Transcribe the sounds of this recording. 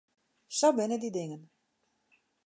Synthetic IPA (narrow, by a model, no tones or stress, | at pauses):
sobɪnədidɪŋən